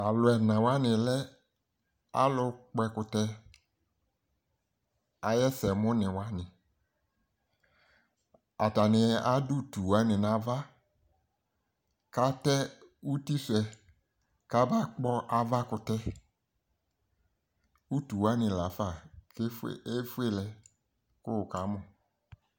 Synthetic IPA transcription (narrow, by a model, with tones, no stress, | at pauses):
a˨lʊ˨ɛ˨nã˨wa˦nɪ̃˨lɛ˦ | a̰˦lʊ˦k͡pɛ˦kʊ˨tɛ˦ | a˨jɛ˦sɛ˨mʊ̃˦nɪ̃˨wa˦nɪ̃˨ | a˨ta˨nɪ˨a˦dʊ˦˨tu˨wa˦nɪ˨nã˨va˦ | ka˦tɛ˦u˦ti˦sɛ˨ | ka˦ba˦k͡pɔ˦ʔa˨va˦kʊ˨tɛ˦ | u˦tu˨wa˦nɪ˨la˨fa˦˨ke˦e˦fu˦e˦lɛ˨ | kʊ˦˨ka˨˦mʊ˨